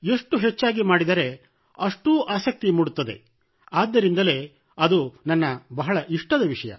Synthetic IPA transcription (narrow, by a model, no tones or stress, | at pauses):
e̞ʂʈuɦet͡ʃːaːɡimaːɽid̪ɐɾe̞ | ɐʂʈuːʔaːsɐk̚t̪imuːɽut̪ːɐd̪e̞̰ | aːd̪ːɐɾind̪ɐle̞ː | ɐd̪unɐnːɐbɐɦɐɭɐʔiʂʈɐd̪ɐʋiʂɐjɐ̰